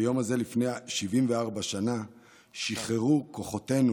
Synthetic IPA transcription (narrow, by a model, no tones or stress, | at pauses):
jo̞maze̞lifne̞jaʃivimveaʁbaʃana | ʃiχeʁuko̞χo̞te̞nu